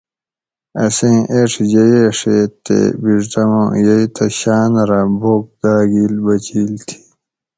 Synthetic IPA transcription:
ɐsẽːʔeʂʰd͡ʑeeʂet̪ḛbiʐʈɐmõ̰jɐit̪ʰɐɕaːnɾaboːk̚d̪aːɡiːlbɐt͡ɕiːlt̪ʰi̥

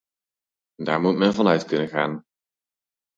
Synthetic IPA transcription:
daːɹmutmɛnvɑnœɥtkɵnəχaːn

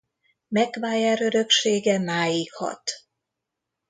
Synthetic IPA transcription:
mɛkʋaːjaːɾøɾø̞kʃeːɡɛmaːjikhɒ̰t̪

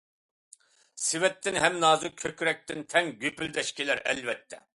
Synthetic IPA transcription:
sɪwɛt̪ʰːɪnɦɛmnɑːzɨkʲʰøkʲɾɛk̚ʲt̪ɪnt̪ʰɛŋɡʲypyld̪ɛʃkʲilæɾɛ̰lvɛt̪ʰːɛ

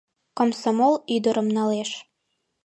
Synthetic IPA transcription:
komsomolyd̪oɾə̆mnɑleʃ

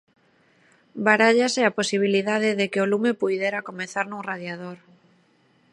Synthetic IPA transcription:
baɾaʎasɪaposiβ̞iliðaðɪðekɪolumepujðeɾakomeθaɾnũŋraðjaðoɾ

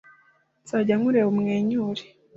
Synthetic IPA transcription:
t͡saɟaŋuɾeumŋeːɲuːɾe̥

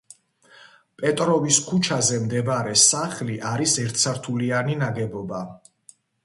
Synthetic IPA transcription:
pʼɛt̪ʼɾɔviskʰut͡ʃʰazɛmd̪ɛbaɾɛsaχliʔaɾisɛɾt̪ʰsʰaɾt̪ʰulianinaɡɛbɔba

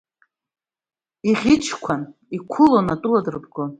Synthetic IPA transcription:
iʁʲit͡ʃʰkʷʰan | ikʷʰʊlonatʼuladɨrɨpɡʊ

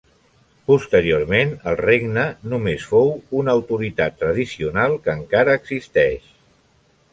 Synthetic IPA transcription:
pust̪əɾioɾmenəlˠreɡnənumesfowunəwt̪uɾit̪at̪ːɾəð̞isiunalˠkəŋkaɾəːɡzist̪ɛʃ

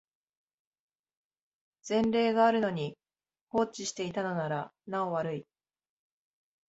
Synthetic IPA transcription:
z̥ẽ̞nɾe̞ːɡaːɾɯ̟no̞ɲ̟i | ho̞ːt͡ɕiɕi̥t̪e̞it̪ano̞naɾanao̞βaɾɯ̟i

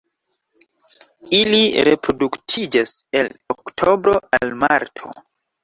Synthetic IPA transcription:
iliɾe̞̰pɾo̞duktʰid͡ʒase̞loktʰo̞bɾo̞almaɾtʰo̞̰

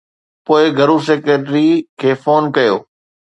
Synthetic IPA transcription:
poːɪɡʱɐɾuseːkɾeʈɾikʰeːfoːnkɐjo̰ː

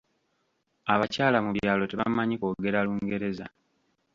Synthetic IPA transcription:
aβacaːlamuβjaːlo̞te̞βa̰maɲiko̞ːɡe̞ɾaluːŋɡe̞ɾe̞za

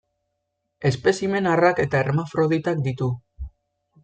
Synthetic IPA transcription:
e̞spe̞sime̞narake̞t̪aeɾmafɾo̞ð̞it̪ak̚d̪it̪u

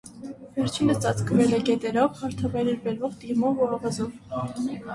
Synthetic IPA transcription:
vɛɾt͡ʃʰinət͡sɑt͡skʰvɛlɛɡɛt̪ɛɾɔvhɑɾt̪ʰɑvɑjɾɛɾbɛɾvɔʁt̪imɔvuɑvɑzɔv

